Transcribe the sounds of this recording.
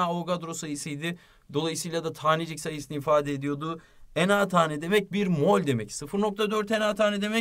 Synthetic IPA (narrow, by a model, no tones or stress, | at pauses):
aoɡad̪ɾo̞sajisɯjd̪ɪ | d̪o̞lˠajɯsɯjlˠad̪at̪ʰaːnid͡ʒicsajɯsɯniifaːd̪ɛed̪ijo̞d̪ʊ | enat̪ʰaːnʲɛd̪e̞mɛc̚biɾmo̞lʲd̪e̞mɛcsɯfɯɾno̞k̚t̪ʰad̪øɾt̪enaːt̪ʰaːnɛd̪e̞mɛ